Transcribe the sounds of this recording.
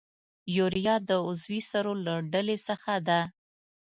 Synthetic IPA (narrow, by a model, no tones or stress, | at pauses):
juɾijɑd̪əʊzwisaɾolaɖalesəxad̪a